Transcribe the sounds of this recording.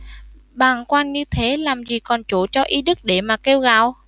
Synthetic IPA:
ɓaː˨˩ŋkwaː˧nɲɨ˧t̪ʰe˨˦laː˨˩mzi˨˩kɔ˨˩nt͡ɕo˧˩t͡ɕɔ˧ʔi˨˦ɗɨ˦˥k̚ɗe˧˩maː˨˩ke˧wɣa̰ː˧˨w

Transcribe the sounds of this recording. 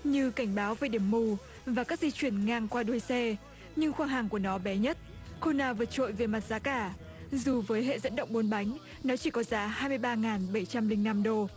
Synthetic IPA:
ɲɨ˧ka˧˩jŋ̟ɓaː˨˦wvəː˨˩ɗi˧˩əmːu˧˩ | vaː˨˩kaː˦˥k̚zi˧t͡ɕwi˧˩ənŋaː˧ŋkwaː˧ɗu˧˩˨jsɛ˧ | ɲɨ˧ŋxwaː˧ŋɦaː˨˩ŋku˧˩ənɔ˨˦ɓɛ˨˦ɲə˦˥t̚ | xo˧naː˧˩vɨ˨˩t̚t͡ɕo̰˧˨jve˨˩ma˨˩t̚zaː˨˦kaː˧˩ | zu˨˩vəː˨˦jɦḛ˧˨zə̰˧˥nɗə̰˧˨wŋ͡m̚ɓo˨˦nɓa˨˦jŋ̟ | nɔ˨˦t͡ɕi˧˩kɔ˨˦zaː˨˦ɦaː˧jmɨ˧əjɓaː˧ŋaː˨˩nɓə˧˩jt͡ɕa˧mlï˧ŋ̟na˧mɗo˧

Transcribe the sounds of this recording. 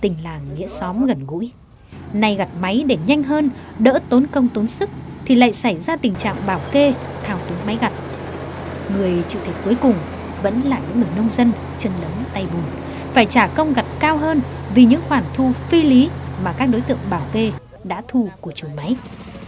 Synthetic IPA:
t̪ï˨˩ŋ̟laː˨˩ŋːḭ˧˥əsɔ˨˦mɣə˨˩nɣṵ˧˥j | na˨˩jɣa˨˩t̚ma˨˦jɗe˧˩ɲa˧jŋ̟ɦəː˧nɗə̰ː˧˥t̪o˨˦nkə˧wŋ͡mt̪o˨˦nsɨ˦˥k̚ | t̪ʰi˨˩la̰ː˧˨jsa˧˩jzaː˧t̪ï˨˩ŋ̟t͡ɕa̰ː˧˨ŋɓaː˧˩wke˧t̪ʰaː˨˩wt̪u˨˦nma˨˦jɣa˨˩t̚ | ŋɨ˨˩əjt͡ɕɨ̰˧˨t̪ʰi˨˩t̚ku˨˦jkʊ˨˩ŋ͡m | və̰˧˥nlaː˨˩ɲɨ̰˧˥ŋːɨ˨˩əjnə˧wŋ͡mzə˧n | t͡ɕə˧nlə˨˦mt̪a˧jɓu˨˩n | faː˧˩jt͡ɕaː˧˩kə˧wŋ͡mɣa˨˩t̚kaː˧wɦəː˧nvi˨˩ɲɨ̰˧˥ŋxwaː˧˩nt̪ʰu˧fi˧li˨˦maː˨˩kaː˦˥k̚ɗo˨˦jt̪ɨ̰˧˨əŋɓaː˧˩wke˧ | ɗa̰ː˧˥t̪ʰu˧ku˧˩ət͡ɕu˨˩ma˨˦j

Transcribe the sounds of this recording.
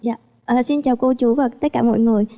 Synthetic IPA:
ja̰ː˧˨ | ʔəː˨˩si˧nt͡ɕaː˨˩wkə˧t͡ɕu˨˦vaː˨˩t̪ə˦˥t̚kaː˧˩mɔ̰˧˨jŋɨ˨˩əj

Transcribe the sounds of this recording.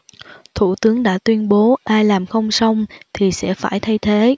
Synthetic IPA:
t̪ʰṵ˧˩t̪ɨ˨˦əŋɗa̰ː˧˥t̪wi˧ənɓo˨˦ʔaː˧jlaː˨˩mxə˧wŋ͡msa˧wŋ͡mt̪ʰi˨˩sɛ̰˧˥faː˧˩jt̪ʰa˧jt̪ʰe˨˦

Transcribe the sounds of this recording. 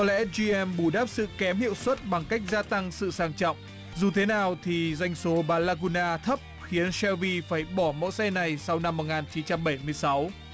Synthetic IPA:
kɔ˨˦lɛ̰˧˥zi˧ʔɛ˧mɓu˧˩ɗaː˦˥p̚sɨ̰˧˨kɛ˨˦mhḭ˧˨əwswə˦˥t̚ɓa˨˩ŋka˦˥jk̟̚zaː˧t̪a˧ŋsɨ̰˧˨saː˧ŋt͡ɕɔ̰˧˨wŋ͡m | zu˨˩t̪ʰe˨˦naː˨˩wt̪ʰi˨˩za˧jŋ̟so˨˦ɓaː˨˩laː˧ku˧naː˧t̪ʰə˦˥p̚xi˨˦ənsɛ˧vi˧faː˧˩jɓɔ˧˩mo̰˧˥jsɛ˧na˨˩jsa˧wna˧mːo˨˩t̚ŋaː˨˩nt͡ɕi˨˦nt͡ɕa˧mɓə˧˩jmɨ˧əjsa˨˦w

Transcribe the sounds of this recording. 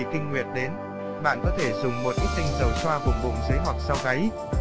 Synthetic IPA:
kï˧ŋ̟ŋwḭ˨˩ən̚ɗe˨˦n | ɓa̰ː˧˨nkɔ˨˦t̪ʰe˧˩zʊ˨˩ŋ͡mmo˨˩t̚ʔi˦˥k̚t̪ï˧ŋzə˨˩wswaː˧vu˨˩k̚vʊ̰˨˧˩ŋ͡mzə˨˦jɦwa˨˩k̚sa˧wɣa˨˦j

